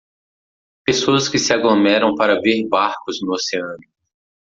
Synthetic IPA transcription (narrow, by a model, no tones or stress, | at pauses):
pesoɐskɪsɪaɡlomɛɾɐ̃w̃paɾɐveɾbaɾkʊznʊoseɐ̃nʊ